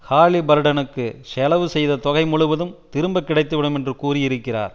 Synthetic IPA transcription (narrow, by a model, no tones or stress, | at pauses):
haːlibɐɾɯɽɐnɯkːɯsɛlɐʋɯsɛjðɐt̪ɔɣɐɪmʊɻʊʋɐðɯmt̪ɪɾɯmbɐkːɪɽɐɪt̪ːɯʋɪɽɯmɛndrɯkuːrɪjɪɾɯkːɪra̰ːɾ